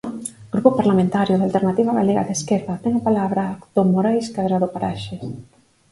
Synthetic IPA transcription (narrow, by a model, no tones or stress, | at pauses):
ɡɾupʊpaɾlamẽnt̪aɾjʊðalt̪eɾnat̪iβaβa̰leɣa̰ðeskeɾðɐt̪ɛŋapalaβɾakt̪omoɾajskaðɾaðopaɾaʃes